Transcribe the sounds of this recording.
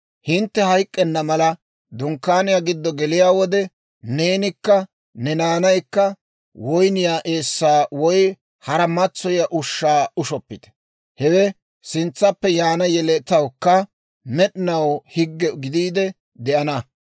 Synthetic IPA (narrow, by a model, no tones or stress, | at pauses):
hɪnt̪ːɛhɐjkʼːɛnːɐmɐlɐ | d̪ʊŋkːaːnɪjaɡɪd̪ːɔɡɛlɪjaːwɔd̪ɛ | ne̞ːnɪkːɐ | nɛnaːnɐjkːɐ | wɔjnɪjaːʔeːsːaːwɔj | hɐɾɐmɐt͡sːɔjɐʔʊʃːaːʊʃɔpːɪt̪ɛ̥ | hɛwɛ | sɪnt͡sːɐpːɛjaːnɐjɛlɛt̪ɐwkːɐ | mɛɗɪnɐwhɪɡːɛɡɪd̪iːd̪ɛ | d̪ɛʔɐnɐ